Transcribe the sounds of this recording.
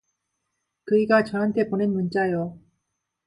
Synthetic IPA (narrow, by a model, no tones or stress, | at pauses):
kɯiɡat͡ɕʌnɦantʰe̞ponenmunt͡ɕ͈ajo